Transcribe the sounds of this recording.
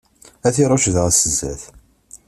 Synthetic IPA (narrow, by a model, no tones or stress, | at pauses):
æθiɾˤɑʃðʁəsəzːæ̰θ